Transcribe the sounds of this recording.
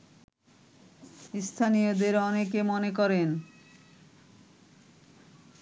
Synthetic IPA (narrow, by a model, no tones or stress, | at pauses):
st̪ʰanijod̪eɾɔnekemɔnekɔɾen